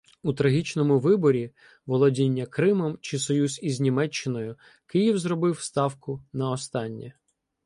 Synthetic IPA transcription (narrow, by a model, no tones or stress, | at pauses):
ut̪ɾɐɦʲit͡ʃnɔmʊʋɪbɔɾʲi | ʋɔlˠɔdʲinʲːɐkɾɪmɔmt͡ʃɪsɔjuzizʲnʲimɛt͡ʃːɪnɔjʊ | kɪjiwzɾɔbɪwst̪ɑwkʊnɐɔst̪ɑnʲːɛ